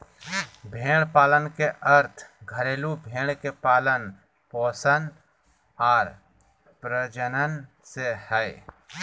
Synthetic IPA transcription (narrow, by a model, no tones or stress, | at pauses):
bʱẽːɽpaːlənkeʔəɾt̪ʰɡʱəɾeːlubʱẽːɽ̃kepaːlən | pɔːsən | ɔːɾ | pɾəd͡ʒənən | sehɛː